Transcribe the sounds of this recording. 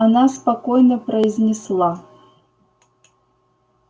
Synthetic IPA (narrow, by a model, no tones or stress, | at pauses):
anaspakɔjnɐpɾɐizʲnʲɪslˠa